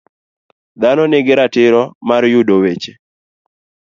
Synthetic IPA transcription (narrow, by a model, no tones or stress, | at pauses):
d̪anɔnɪɡɪɾatɪɾɔmaɾjudowet͡ʃe